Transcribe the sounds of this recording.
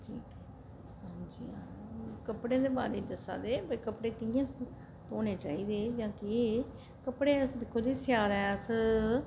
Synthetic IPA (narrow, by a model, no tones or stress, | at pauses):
ʈʰiːkɛ | ɦãːd͡ʒḭːaːkəpɽẽːd̪eːba̰ːɾiːd̪əsːa̰ːd̪eːbəkəpɽeːkɪjãː | t̪oːneːt͡ʃaːiːd̪eːd͡ʒãːkɪ | kəpɽeːd̪ɪkʰːoːd͡ʒiːsjaːlɛːəs